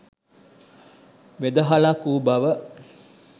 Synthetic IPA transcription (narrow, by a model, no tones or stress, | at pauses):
ʋed̪əɦalakuːbɐʋə